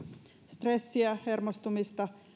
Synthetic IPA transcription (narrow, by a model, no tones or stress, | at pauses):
st̪re̞sːiæhermost̪umist̪ɑ